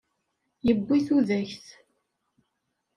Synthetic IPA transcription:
jəbːiθuðæçθ

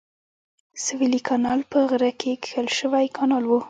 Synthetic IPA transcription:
sɪwilikʰɑnɑlpəɣɾakʰekxəlʃəwajkʰɑnɑlwu

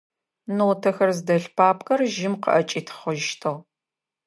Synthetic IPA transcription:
noːtʰɐxɐrzdɐɬpʰaːpʰʼkʼɐrʒɪmqə̰ʔɐt͡ʃʼiːtʰχəʒʃtʰɐʁ

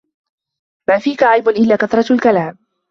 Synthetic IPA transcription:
maːfiːkaʕajbʊnʔɪlːaːkaθɾˤɑlkalaːm

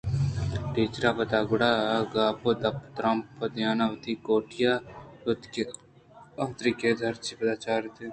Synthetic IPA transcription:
ʈiːt͡ʃɾaːpɐt̪aːɡʊɽaɡaːpod̪ɐpt̪ɾɐmpːɐd̪jaːnaʋt̪ikoːʈijaːʊt̪ke | ɐt̪ɾiked̪ʱɐɾt͡ʃipɐd̪aːt͡ʃaːɾt̪e

